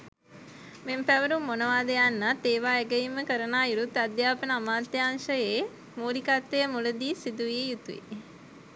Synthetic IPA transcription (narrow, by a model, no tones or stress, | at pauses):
mempæʋəɾumːonəʋaːd̪əjanːat̪ːeːʋaːeɡəjimːəkəɾənaːiɾut̪ːad̪jaːpənəamaːt̪ːjaːnʃəjeː | muːɾikat̪ːejəmuləd̪iːsid̪uʋiejut̪uʋḭ